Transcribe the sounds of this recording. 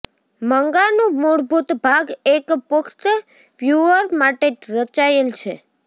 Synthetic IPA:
məŋɡanũmuɽbʱut̪bʱaɡekpʊkʰt̪ə | ʋjuəɾmaʈeɾət͡ʃaelt͡ʃʰe

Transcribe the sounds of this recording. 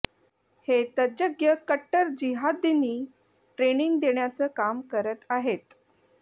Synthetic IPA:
het̪əd͡ʑəɡjəkəʈːəɾd͡ʑiɦad̪iniː | ʈɾeniŋɡd̪eɳjat͡səkamkəɾət̪aɦet̪

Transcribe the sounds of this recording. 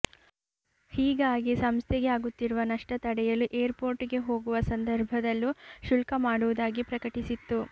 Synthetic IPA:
hiːɡaːɡisɐmst̪ʰɛɡeaːɡut̪ːiɾuʋɐnɐʂʈɐt̪ɐɽɛjɐlːuʔeːɐɾpo̞ːɾʈiɡe̞ɦo̞ːɡuʋɐsɐnd̪ɐɾbʱɐd̪ɐlːuʃulkɐmaːɽuʋud̪aːɡipɾɐkɐʈisit̪ːu

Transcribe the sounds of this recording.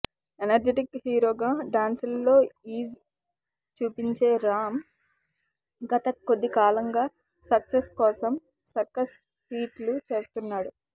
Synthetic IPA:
enɐɾd͡ʒeʈikhiːɾo̞ːɡaːɖaːnsulːo̞ːiːz | t͡ʃuːpiɲt͡ʃe̞ːɾaːm | ɡɐt̪ɐko̞d̪ːikaːlɐŋɡaː | sɐkseskɔːsɐm | sɐɾkɐs | fiːʈlut͡ʃe̞ːst̪unːaːɽu

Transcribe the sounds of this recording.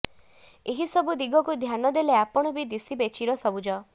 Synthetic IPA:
eɦisɔbud̪iɡɔkud̪ʱjanɔd̪eleapɔɽ̃ɔbid̪isibet͡ʃʰiɾɔsɔbud͡ʒɔ

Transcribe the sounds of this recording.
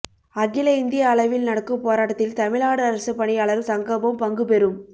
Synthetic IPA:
ɐɡɪlɐɪnd̪ɪjɐːlɐʋɪlnɐɽɐkːɯpoːɾaːʈːɐt̪ːɪlt̪ɐmɪɭaːɽɯɐɾɐsɯpːɐɳiaɐːɭɐɾɯsɐŋɡɐbɐmpɐŋɡɯpɛɾɯm

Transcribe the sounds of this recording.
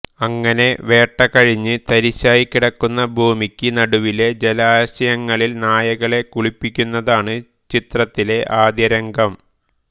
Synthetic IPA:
ɐŋːɐne̞ʋe̞ːʈːɐkɐɻiɲːɨt̪ɐɾiɕːaːjikːiɽɐkːunːɐbʱuːmikʲːɨnɐɽuʋile̞d͡ʑelaːɕɐjɐŋːɐɭilnaːjɐɣɐɭe̞kuɭipːikʲːunːɐðaːɳɨ | t͡ɕit̪rɐt̪ːile̞ʔaːd̪jɐɾɐŋɡɐm

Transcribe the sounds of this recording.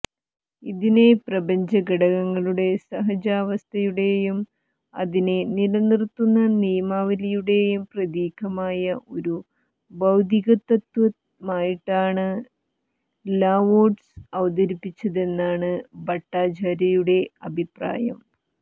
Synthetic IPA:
iðine̞prɐbɐɲd͡ʑɐɡɐɽɐɣɐŋːɐɭuɽe̞sɐɦɐd͡ʑaːʋɐst̪ʰɐjuɽe̞jum | ɐ̰ðine̞nilɐnirt̪ːunːɐnijɐmaːʋɐlɐjuɽe̞jumprɐd̪iːkʰɐmaːjɐʔo̞ɾu | bɐwd̪ʱiɣɐt̪ːɐt̪ʋɐ | maːjiʈːaːɳɨ | laːʋoːɖsɐʋɐd̪ɐɾipːit͡ɕːɐðe̞nːaːɳɨbɐʈːaːd͡ʑaːɾɐjuɽe̞ɐbʱipra̰ːjɐm

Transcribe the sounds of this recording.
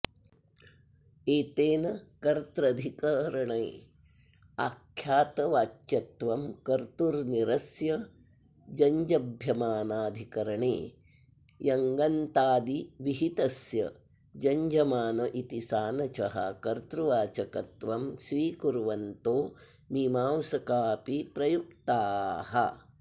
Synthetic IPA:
eːt̪eːnɐkɐɾt̪ɾɐd̪ʱikɐɾɐɳɐj | a̰ːkʰːjaːt̪ɐʋaːt͡ʃjɐt̪ʋɐmkɐɾt̪uɾniɾɐsjɐ | d͡ʒɐɲd͡ʒɐbʱjɐmaːnaːd̪ʱikɐɾɐɳḛː | jɐŋɡɐnt̪aːd̪iʋiɦit̪ɐsjɐ̰ | d͡ʒɐɲd͡ʒɐmaːnɐʔit̪isaːnɐt͡ʃɐɦɐ̰kɐɾt̪ɾuʋaːt͡ʃɐkɐt̪ʋɐmʃʋiːkuɾʋɐnt̪oː | mimaːwsɐkaːpipɾɐjuk̚t̪aːhɐ̰

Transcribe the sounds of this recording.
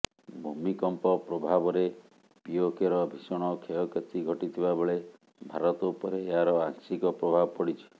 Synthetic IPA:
bʱumikɔmpɔpɾɔbʱabɔɾe | piokeɾɔbʱisɔɽ̃ɔkʰeɔket͡ʃiɡʱɔʈit̪ʰibabeɭe | bʱaɾɔt̪ɔupɔɾeeaɾɔaŋsikɔpɾɔbʱabɔpɔɽit͡ʃʰi̥

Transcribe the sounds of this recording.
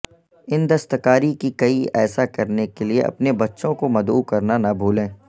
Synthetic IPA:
ɪnd̪ɐst̪əkaːɾikikɐiɛ̰ːsakɐɾnekeliḛʔɐ̰pnebɐtːʃõkomɐd̪ṵːkɐɾnanabʱuːlẽː

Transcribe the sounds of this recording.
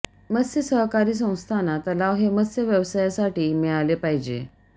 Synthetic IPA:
məsjəsəɦkaɾiːs̬ə̃w̃st̪ʰanat̪əlaʋɦeməsjəʋjəʋsajasaʈiːmiɭalepaɦid͡ʑḛ

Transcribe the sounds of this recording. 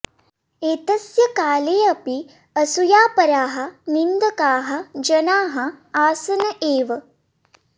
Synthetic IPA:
eːt̪ɐsjɐkaːleːɐpi | ɐsujaːpɐɾaːɦɐ̆nind̪ɐkaːɦɐd͡ʒɐnaːɦɐaːsɐnɐʔeːʋɐ

